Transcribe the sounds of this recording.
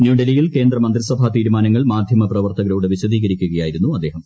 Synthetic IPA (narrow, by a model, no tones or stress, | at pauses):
njuːɖelijilke̞ːnd̪rɐmɐnd̪risɐbʱat̪iːɾumaːnɐŋːɐɭmaːd̪ʱjɐmɐprɐʋɐrt̪ɐɣɐɾouɽeʋiɕɐd̪iːɣɐɾikʲːuɣɐjaːjiɾunːuɐd̪ːeːɦɐm